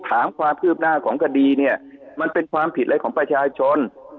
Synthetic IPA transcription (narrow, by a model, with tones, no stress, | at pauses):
t̪ʰaː˩˦mkʰwaː˧mpʰɯː˥˩p̚naː˥˩kʰɔː˩˦ŋkʰa˧diː˧ni˥˩ɐma˧npe˧nkʰwaː˧mpʰi˨˩ʔa˧˥jkʰɔː˩˦ŋpɾa˧t͡ɕʰaː˧t͡ɕʰo˧n